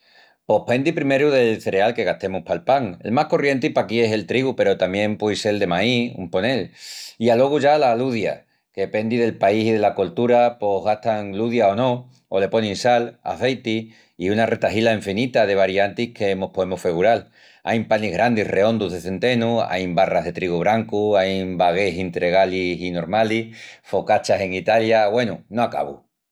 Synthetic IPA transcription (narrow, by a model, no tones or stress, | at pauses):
po̞hpe̞nd̪ipɾime̞ɾuðe̞lθe̞ɾe̞alke̞ɣ̞at̪e̞muhpalpaŋe̞̰lmahko̞rje̞nt̪ipakie̞se̞lt̪ɾiɣupe̞ɾo̞t̪amje̞mpwejse̞ld̪e̞maiṵmpo̞ne̞lialo̞ɣ̞uʝalaluðja̰ | ke̞pe̞nd̪iðe̞lpaisið̞e̞lako̞lt̪uɾapo̞ɦɣat̪aŋluðjao̞no̞ | ole̞po̞nĩnsala̰θe̞jt̪iː | unarʔe̞t̪aɦilaeɱfinit̪að̞e̞β̞aɾjant̪ihkʰeemo̞hpoemofeɣuɾal | a̰jmpaniɦɣɾand̪irʔe̞o̞nd̪uɦðeθe̞nt̪e̞nua̰jmbaraɦðe̞t̪ɾiɣuβɾaŋkuajmbaɣ̞e̞sint̪ɾe̞ɣalisino̞ɾmalifo̞kat͡ʃase̞ŋit̪aljaɣwe̞nunoaka̰βṵ